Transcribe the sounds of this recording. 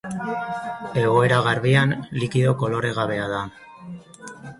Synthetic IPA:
e̞ɣo̞e̞ɾaɣ̞aɾβianlikiðo̞ko̞lo̞ɾe̞ɣ̞aβe̞aða

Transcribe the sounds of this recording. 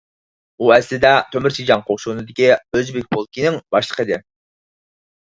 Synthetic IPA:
uɛslɪd̪ɛt̪ʰømɪɾt͡ʃʰid͡ʒɑŋqʰoχʃunɨd̪ɪkʲiøzbek̚ʲbʰolˠkʲinɪŋbɑʃlˠəqʰəd̪ɪ

